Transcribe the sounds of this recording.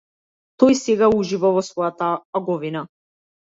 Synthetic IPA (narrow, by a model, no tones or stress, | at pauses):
t̪ɔjsɛɡauʒivavɔsvɔjat̪aːɡɔvina